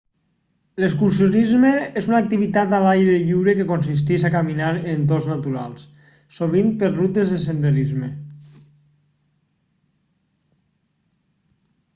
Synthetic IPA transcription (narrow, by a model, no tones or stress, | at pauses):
leskuɾsjonizmeezunak̚t̪iβit̪at̪aβajβɾeʎiwɾekekonsis̬t̪iʃakaminaɾent̪̬oznat̪uɾa̰lˠs | soβ̞impeɾrut̪ezðesend̪eɾizme